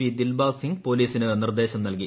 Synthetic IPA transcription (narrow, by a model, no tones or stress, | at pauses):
id̪ilbaːsiŋɡpo̞ːliːsinɨnird̪e̞ːɕɐmnɐlk̬i